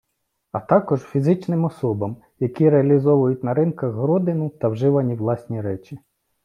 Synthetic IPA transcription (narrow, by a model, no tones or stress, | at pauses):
ɐt̪ɑkɔʒfʲizɪt͡ʃnɪmɔsɔbɐm | jɐkʲiɾeɐlʲizɔʋʊjʊtʲnɐɾɪnkɐɣɦɾɔd̪ɪnʊt̪ɐwʒɪʋɐnʲiwlˠɑsʲnʲiɾɛt͡ʃʲi